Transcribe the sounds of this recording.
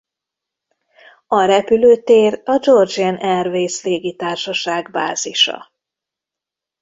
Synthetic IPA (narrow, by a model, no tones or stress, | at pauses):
ɒɾɛpyløːt̪eːrɒd͡ʒo̞rd͡ʒɛnʔɛrveːsleːɡit̪aːrʃɒʃaːɡba̰ːziʃɒ̰